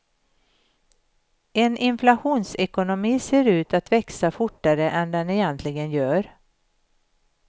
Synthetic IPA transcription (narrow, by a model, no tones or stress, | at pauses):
ɛnʔɪnflaɧuːnsɛkʊnʊmiːseːɾʉ̟ːt̪at̪vɛksafʊʈːaɾəʔɛnd̪ɛnɛjɛnt̪ʰlɪɡənjœːɾ